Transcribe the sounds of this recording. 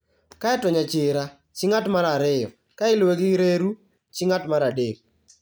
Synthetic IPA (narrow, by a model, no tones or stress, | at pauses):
kaɛtɔɲat͡ʃɪɾa | t͡ʃɪŋatmaɾaɾɪjɔ̰ | kaɪlweɡɪɾeɾu | t͡ʃɪŋatmaɾadeɾ